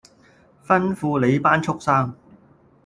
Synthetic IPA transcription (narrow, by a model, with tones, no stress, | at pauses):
fɐ˥nfuː˧le˨˧jpaː˥nt͡ʃʰʊ˥k̚saː˥ŋ